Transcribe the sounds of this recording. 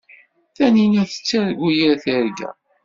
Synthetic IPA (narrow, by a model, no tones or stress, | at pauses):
θæninæθə̥t͡sːæɾɡʷujəɾθəɾɡæ̰